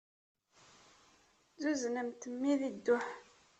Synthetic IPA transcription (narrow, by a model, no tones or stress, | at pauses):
zuznəmt̪əmːiðid̪ːʊħ